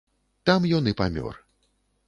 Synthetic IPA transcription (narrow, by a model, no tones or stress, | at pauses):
t̪amjɔnɨpamʲɔ̰rɨ